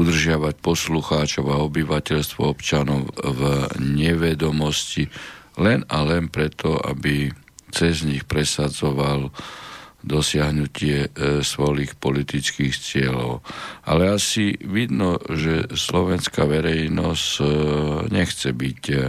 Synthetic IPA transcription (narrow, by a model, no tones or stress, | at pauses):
ud̪r̩ʒɪaʋac̚pɔsluxaːt͡ʃɔʊaɔbiʋacɛʎst̪ʋɔ̰ɔpt͡ʃanɔʊvɲɛʋɛd̪ɔmɔscilɛnalɛnpɾɛt̪ɔa̰bi | t͡sɛzɲixpɾɛsad͡zɔʋal | d̪ɔsɪaɦnucɪɛsʋɔliːxpɔlit̪it͡skiːxt͡sɪɛlɔʊa̰lɛasiʋid̪nɔʒɛslɔʋɛnska̰ʋɛɾɛjnɔsc | ɲɛxt͡sɛbic